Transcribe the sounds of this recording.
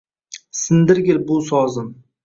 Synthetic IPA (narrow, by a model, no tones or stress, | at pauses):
sɪnd̪ɪɾɡʲɪlbʊsɒzɪm